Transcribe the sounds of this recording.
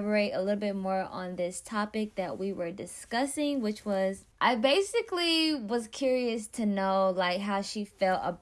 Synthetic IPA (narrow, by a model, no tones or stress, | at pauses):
və˞eɪɾə̰lɪɾl̩ˠbɪt̚mɔɹə̰̃nðɪstʰɑpɨk̚ðɨʔ̚wiwə˞dɨskʌsɪ̃ŋwɨt͡ʃwʌzʔaɪbeɪsɨkliwʌz̥kʰj̥ʊɹiɨstʰɨnoʊlaɪkɦaʊʃifɛlˠtə̰